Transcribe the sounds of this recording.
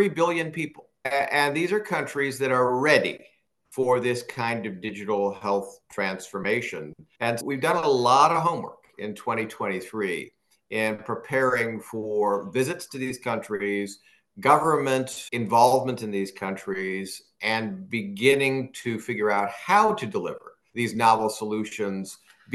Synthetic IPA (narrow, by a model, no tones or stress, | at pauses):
θɹibɪlˠjɨ̃npipl̩ˠɨ̃nðizə˞kʰʌ̃nt͡ʃɹ̥izðɨɾə˞ɹɛɾḭ | fə˞ðɪskʰãɪ̃ndʌvdɪd͡ʒɨɾl̩ˠhɛlˠθtʰɹ̥æ̃nsfə˞meɪʃɨ̰̃nɨ̃nwivdʌ̃nəəlɔɾʌv̥ɦõʊ̃mwɜ̰˞kɪ̰̃ntʰw̥ɛ̃ɾ̃itʰw̥ɛ̃ɾ̃iθɹi | ʔɪ̃npʰɹ̥ipʰɛɹɪ̃ŋfə˞vɪzɨtstʰɨðiz̥kʰʌ̃nt͡ʃɹ̥iz | ɡʌvə˞mɨ̃ntɨ̃ɱvɑlˠvmə̃ntɨ̃nðiz̥kʰʌ̃nt͡ʃɹ̥iz | ʔɨ̃nbɨɡɪ̃nɪ̃ŋtʰɨfɪɡjə˞aʊt̚haʊɾɨdəlɪ̰və̰˞ | ðiznɑvl̩ˠsəlʉʃɨ̃nz | b